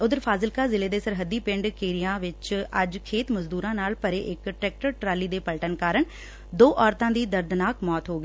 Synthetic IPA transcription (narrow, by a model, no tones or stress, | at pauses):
ʊd̪əɾpʰaːzɪlkaːzɪleːd̪eːsəɾɦəd̪ːiːpɪ̃ɳɖkeːɾijãːʋɪt͡ʃəd͡ʒkʰeːt̪məzd̪uːɾãːnaːlpəɾḛːʔɪkʈɾɛːk̚ʈəɾʈɾaːliːd̪eːpəlʈənkaːɾəɳ | d̪oːʔɔːɾt̪ãːd̪iːd̪əɾd̪naːkmɔːt̪ɦoːɡiː